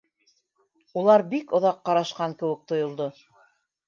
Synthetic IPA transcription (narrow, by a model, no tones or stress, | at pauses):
ulˠɑɾbikŏðɑqːɑɾɑʃqɑŋkɘ̆wɘ̆k̚t̪ŏjŏlˠd̪o